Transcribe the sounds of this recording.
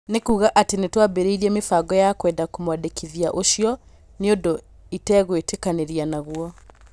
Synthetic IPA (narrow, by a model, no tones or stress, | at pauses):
nekuːɣaʔatenetwabeɾeiɾiɛmefaːɡɔjakwɛːndakomwadekʰiðiaʔoɕjɔ | neondo | itɛːɣwetekaneɾianaɣwɔ